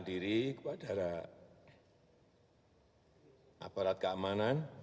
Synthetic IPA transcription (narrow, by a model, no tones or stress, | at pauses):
ndiɾikəpad̥a̤ɾa | ʔapaɾat̪̚kəamanan